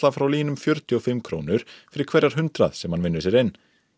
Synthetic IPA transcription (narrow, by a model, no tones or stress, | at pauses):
lafɾawliːnʏmfjœɾt̪jʏɔfɪmːkʰɾoːwnʏɾ̥fɪɾɪɾ̥kʰvɛɾːaɾ̥ɦʏnt̪ɾa̰ðsɛmhanvɪnːʏsjɛɾɪnː